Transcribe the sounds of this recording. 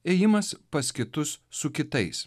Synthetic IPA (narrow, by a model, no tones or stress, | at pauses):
eːjɪmɐspɐskʲɪt̪ʊsːʊkʲɪt̪ɐɪs